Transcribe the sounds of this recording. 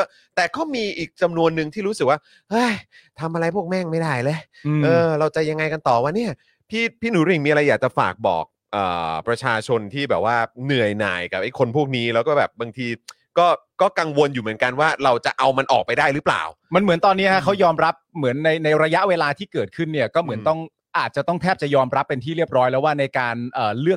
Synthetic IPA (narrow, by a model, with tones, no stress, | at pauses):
t̪ɛː˨˩kɔː˥˩miː˧ʔiː˨˩k̚t͡ɕa˧mnu˧ənːɯ˧ŋt̪ʰiː˥˩ɾu˦˥sɯ˨k̚waː˥˩ | hɤ˥˩j | t̪ʰa˧mʔa˧ɾa˧jpʰu˥˩k̚mɛː˥˩ŋma˥˩jda˥˩jle˦˥˧ | ʔɤː˧ɾa˧wt͡ɕa˨ja˧ŋːa˧jka˧nt̪ɔː˨˩wa˧˩ni˥˩ɐ | pʰiː˥˩pʰiː˥˩nuː˨˦ɾi˨i˨˩ŋmiː˧a˧ɾa˧jːaː˨˩k̚t͡ɕa˨˩fa̰ː˨˩k̚bɔ̰ː˨˩k̚ʔɤ̰ː˨˩pɾa˧t͡ɕʰaː˧t͡ɕʰo˧nt̪ʰiː˥˩bɛː˨˩p̚waː˥˩nɯ˨˩əjna̰ː˨˩jka˨˩p̚ʔa˥˩jkʰo˧npʰu˥˩ək̚niː˦˥lɛː˦˥wkɔː˥˩bɛː˨˩p̚ba˧ŋt̪ʰiː˧ | kɔː˥˩kɔː˥˩ka˧ŋwo˧njuː˨˩mɯ˩˦ənka˧nwaː˥˩ɾa˧wt͡ɕa˨˩ʔa˧wma˧nʔɔ̰ː˨˩k̚pa˧jdaː˥˩jɾɯ˦˥pla̰ː˨˩w | ma˧nmɯ˩˦nt̪ɔː˧nːiː˦˥kʰa˦˥kʰa˦˥wjɔː˧mɾa˦˥p̚mɯ˩˦ənːa˧jna˧jɾa˧ja˦˥ʔweː˧laː˧t̪ʰiː˥˩kɤː˨˩t̪̚kʰɯ˥˩nːi˥˩ɐkɔː˥˩mɯ˩˦ənt̪ɔ˥˩ŋ | ʔaː˨˩t̪̚t͡ɕa˨˩t̪ɔ˥˩ŋt̪ʰɛː˥˩p̚t͡ɕa˨˩jɔː˧mɾa˦˥pːe˧nt̪ʰiː˥˩ɾi˥˩əp̚ɾɔː˦˥jlɛ˦˥waː˥˩na˧jkaː˧nʔɤː˨˩lɯ˥˩ək̚